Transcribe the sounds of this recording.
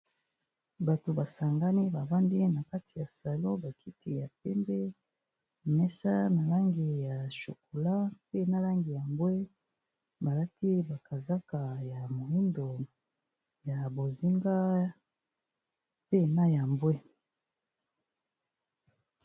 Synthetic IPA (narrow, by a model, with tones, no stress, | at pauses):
ba˨to˨ba˨sa˨ŋɡa˦ni˦ba˨va˦ndi˦na˨ka˦ti˨ja˨sa˨lõ˦ba˨kʰi˦ti˨ja˨pɛ˦mbɛ˦˨ | mɛ˦sa˦na˨la˦ŋɡi˨ja˨ʃo˨ko˨la˦pe˦na˦la˦ŋɡi˨ja˨mbwe˦ | ba˨la˦ti˦ba˨ka˨za˦ka˨ja˨mo˨li˦ndo˨ | ja˨bo˨zi˦ŋɡa˦ | pe˦na˦ja˨mbwe˦